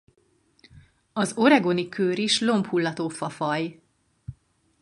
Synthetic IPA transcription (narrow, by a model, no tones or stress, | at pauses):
ɒzo̞ɾɛɡo̞nikʰøːɾiʃlo̞mphulːɒt̪oːfɒfɒj